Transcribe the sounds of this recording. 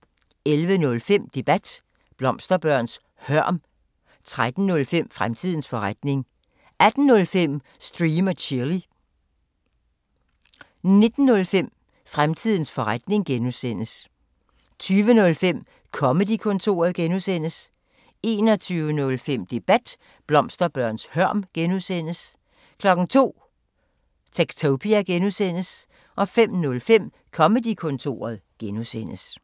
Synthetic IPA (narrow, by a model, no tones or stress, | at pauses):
elʋənɔ̽lfem̰d̥e̝b̥æd̥ | b̥lɒ̽msd̥ɐb̥ɶɐ̰ns | hɶɐ̰m | t͡sʰʁad̥n̩nɔ̽lfem̰fʁamt͡sʰið̰ˠn̩sfɒ̽ʁad̥ne̝ŋ | ʔæd̥n̩ːɔ̽lfem̰ | sd̥ʁiːmɐt͡sʰeɐli | ne̝d̥n̩ːɔ̽lfem̰ | fʁamt͡sʰið̞̰ˠn̩sfɒ̽ʁad̥ne̝ŋɡ̥enusen̰əs | t͡sʰyːʋənɔ̽lfem̰ | kʰɒ̽məd̥ikʰɔ̽nt͡sʰo̝̰ːɐð̞̩ˠɡ̥enusen̰əs | e̝ːnɒ̽t͡sʰyːʊənɔ̽lfem̰d̥e̝b̥æd̥ | b̥lɒ̽msd̥ɐb̥ɶɐ̰nshɶɐ̰mɡ̥enusen̰əs | kʰlɒ̽ɡ̥n̩t͡sʰo̝̰ː | t͡sʰeɡ̥t͡sʰoʊpʰiæɡ̥enusen̰əs | ʔɒ̽fem̰nɔ̽lfem̰ | kʰɒ̽məd̥ikʰɔ̽nt͡sʰo̝̰ːɐð̞ˠɡ̥enusen̰əs